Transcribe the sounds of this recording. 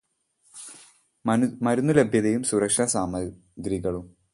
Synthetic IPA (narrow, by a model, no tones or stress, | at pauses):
mɐɾunːulebʱjɐðejumsuɾɐkʂɐsaːmɐ | ɡɾiɣɐɭum